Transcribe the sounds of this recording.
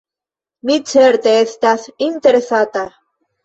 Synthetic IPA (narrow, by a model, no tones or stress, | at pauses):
mit͡seɾt̪est̪asint̪eɾesat̪a